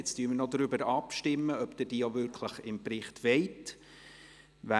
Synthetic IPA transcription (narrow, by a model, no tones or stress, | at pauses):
ɪt͡styːmɪnɔd̪ɾʏbəɾɑpʃtɪmːəœpd̥̪ɪɾd̥iːjovʏɾkʰləχɪmpɾɪχtʋɛɪt | ʋæ